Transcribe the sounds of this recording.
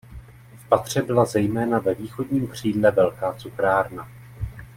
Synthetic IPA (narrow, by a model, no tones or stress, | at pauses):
fpat̪r̝̥ɛbɪlazɛjmɛːnavɛviːxo̞dɲiːmkr̝̥iːdlɛvɛlkaːt͡sukɾaːɾna